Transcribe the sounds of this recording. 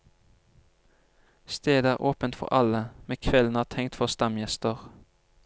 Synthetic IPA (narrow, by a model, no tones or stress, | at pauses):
st̪eːd̪æːʁʔoːpənt̪fɔ̰ʁɑləmeːkʰʋɛln̩æːt̪ʰɛŋt̪fɔʁst̪ɑmjɛst̪əʁ